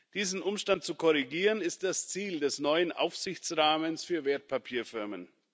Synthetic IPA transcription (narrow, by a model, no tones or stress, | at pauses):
d̥iːzn̩ʔʊmʃtantt͡sukʰɔʁ̞iɡiːʁənɪst̚d̥ast͡siːldɛsnɔʏənʔa̰ʊfz̥ɪçt͡sʁaːmənsfyːɐveːɐt̚pʰapʰiːɐfɪɐmə̰n